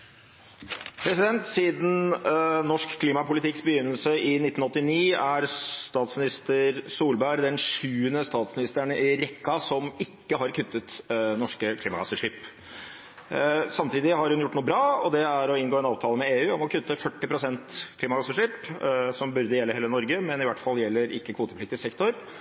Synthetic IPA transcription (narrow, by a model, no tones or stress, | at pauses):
pʰɾɛsɪd̪ɛnt̪siːd̪n̩nɔʂkkʰːliːmɑpʊlɪt̪ʰɪksbəjʏnːəlsəɪnɪt̪ːn̩ɔt̪ːɪniːæɾst̪ɑːt̪smɪnɪst̪əɾsuːlbæɾd̪ɛnʂʉːənəst̪ɑːt̪smɪnɪst̪əɳɪɾɛkːɑsɔmɪkːəɦɑɾkʰʉt̪ːət̪nɔʂkəkʰliːmɑkɑsəʂiːp | sɑmt̪iːd̪ɪhɑɾhʉnjʊʈːnuːəbɾɑːɔd̪ɛæɾɔɪnɡoːɛnɑːʋt̪ʰɑːləmɛeːʉːɔmɔkʰʉt̪ːəfœʈːɪpɾʊsɛnt̪kʰliːmɑkɑsəʂiːpsɔmbʉɾd̪əjɛlːəheːlənɔɾɡəmɛnɪʋæʈːfɑlːjɛlːəɾʔɪ̰kːəkʰʋuːt̪əplɪkt̪ɪsɛkt̪ʰɔɾ